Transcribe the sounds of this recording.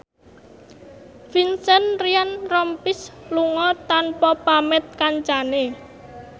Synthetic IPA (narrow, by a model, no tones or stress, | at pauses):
finsɛnrianrɔmpɪsluŋɔt̪anpɔpamɛt̪̚kaɲt͡ʃane